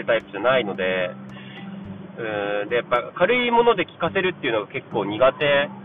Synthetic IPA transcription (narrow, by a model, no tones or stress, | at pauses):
ɯ̟t̪aipɯ̟ʑanaino̞d̪e̞ | ɯ̟̃ːd̪e̞japːakaɾɯ̟imo̞no̞d̪e̞kʲi̥kase̞ɾɯ̟t̪ːeiɯ̟noɡake̞kːo̞ːɲ̟iɡat̪e̞